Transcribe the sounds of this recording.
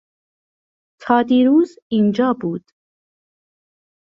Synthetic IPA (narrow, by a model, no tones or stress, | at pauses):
t̪ʰɑd̪iɾuz | ind͡ʒɑbud̪